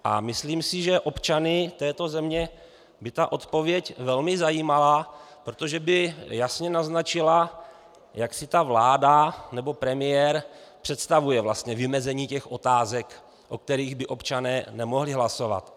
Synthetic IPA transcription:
ʔa̰mɪsliːmsɪʒɛʔo̞pt͡ʃanɪt̪ɛːt̪o̞zɛmɲɛ | bɪt̪aʔo̞t̪po̞vjɛcvɛlmɪzajiːmalapɾo̞t̪oʒɛbɪjasɲɛnaznat͡ʃɪla | jaksɪt̪avlaːdanɛbo̞pɾɛmɪjɛɾpr̥ɛt̪st̪avujɛvlast̪ɲɛvɪmɛzɛɲiːcɛxʔo̞t̪aːzɛk | ʔo̞k̚t̪ɛɾiːɣbɪʔo̞pt͡ʃanɛːnɛmo̞ɦlɪɦlaso̞va̰t̪

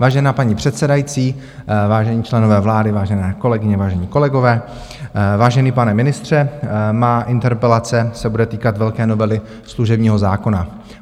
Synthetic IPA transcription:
vaːʒɛnaːpaɲipr̥ɛt̪sɛdajit͡siː | vaːʒɛɲiːt͡ʃlɛno̞vɛːvlaːdɪvaːʒɛnɛːko̞lɛɡɪɲɛvaːʒɛɲiːko̞lɛɡo̞vɛː | vaːʒɛniːpanɛmɪnɪst̪r̝̥ɛmaːʔɪnt̪ɛɾpɛlat͡sɛsɛbudɛt̪iːkat̪vɛlkɛːno̞vɛlɪ | sluʒɛbɲiːɦo̞zaːko̞na

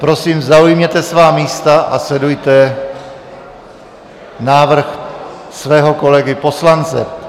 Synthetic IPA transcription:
pɾo̞siːmzaujmɲɛt̪ɛsvaːmiːst̪aʔaslɛdujt̪ɛ | naːvr̩x | svɛːɦo̞ko̞lɛɡɪpo̞slant͡sɛ̰

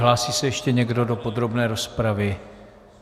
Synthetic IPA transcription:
ɦlaːsiːsɛjɛʃcɛɲɛɡdo̞do̞po̞d̪ɾo̞bnɛːɾo̞spɾavɪ

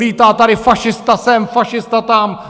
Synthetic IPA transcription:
iːt̪aːt̪aɾɪfaʃɪst̪asɛmfaʃɪst̪at̪am

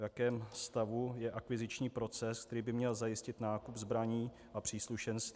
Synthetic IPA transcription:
jakɛːmst̪avujɛʔakvɪzɪt͡ʃɲiːpɾo̞t͡sɛsk̚t̪ɛɾiːbɪmɲɛlzajɪscɪt̪naːkupzbɾaɲiː | ʔapr̝̥iːsluʃɛnst̪ː

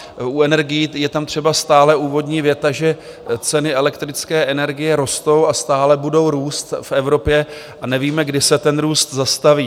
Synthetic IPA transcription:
uɛnɛɾɡɪjijɛt̪amt̪r̝̥ɛbast̪aːlɛʔuːvo̞dɲiːvjɛt̪aʒɛ | t͡sɛnɪɛlɛk̚t̪ɾɪt͡skɛːʔɛnɛɾɡɪjɛɾo̞st̪o̞wast̪aːlɛbudo̞wɾuːst̪fʔɛvɾo̞pjɛ | ʔanɛviːmɛɡdɪsɛt̪ɛnɾuːst̪zast̪aviː

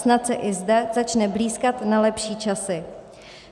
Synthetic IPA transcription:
snat̪t͡sɛʔɪzdɛzat͡ʃnɛbliːskat̪nalɛpʃiːt͡ʃasɪ

